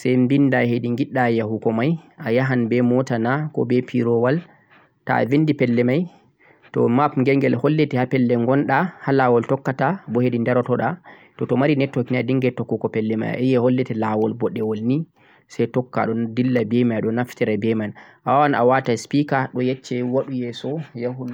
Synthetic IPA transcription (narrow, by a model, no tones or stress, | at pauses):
sɛjmbindahediŋɡiɗːajahukɔmajajaɦanbɛmɔtanakɔ̰bɛpʰiɾɔwal | ta̰vindipɛlːɛmaj | tɔ̰mapŋɡɛŋɡɛlhɔlːɛtɛhapɛlːɛŋɡɔnɗahalawɔltɔkːatabɔhedindɛɾɔtɔɗa | tɔtɔmaɾinɛtːɔkinadiŋɡɛtːɔkːukɔpɛlːɛma̰ja̰ʔɛjɛhɔlːɛtɛlawɔlbɔɗːɛwɔlni | sajtɔkːa̰ɗɔdilːabɛmajɗɔnaftɛɾabɛmanʔawawana̰wataspikaɗɔjɛt͡ʃːɛwaɗujɛsɔjahu